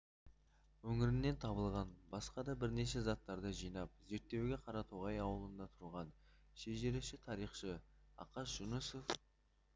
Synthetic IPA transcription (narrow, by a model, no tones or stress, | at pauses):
wɵŋʲɪɾɪnːe̞nt̪ʰɑbəlˠʁɑnbɑsqɑd̪ɑbɪɾne̞ʃe̞zɑt̪ːɑɾd̪əʒijnɑp̚ze̞ɾt̪ːe̞wɡʲe̞qʰɑɾɑt̪ʰoʁɑjɑwəlˠənd̪ɑt̪ʰʊɾʁɑn | ʃeʒe̞ɾɪʃɪt̪ʰɑɾijχʃəɑ̰qɑsʒ̥ʊnəsof